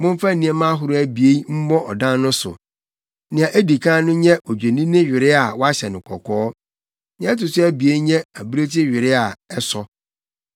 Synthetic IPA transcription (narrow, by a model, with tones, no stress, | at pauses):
mʊ̃˦m˦fa˦˨nĩ˦ɛ˨˦mã˦ɦʊ˦ɾʊ˦æ˨bi˨e˦i˦m̩˦mɔ̃˦ʔɔ˨dã˦n˦nʊ̃˦sʊ̰˨ | nɪ̃˨ã˨ʔe˦di˨kʰã˦nʊ̃˦ɲɛ̃˦ʔɔ˨d͡ʑᶣe˨nĩ˦nɪ̃˦ɥᶣɪ˨ɾɪ˦a˨wɔ˦a˦ɕɛ˨nʊ̃˨kʰɔ˨kʰɔː˦ | ɲ˨ɛ̃˦ɛ˦tʊ˨sʊ˦æ˦bi˨e˦i˦ɲɛ̃˦æ˨bɾe˦tʰɪ˦ɥᶣɪ˨ɾɪ˦a˨ɛ˦sɔ˦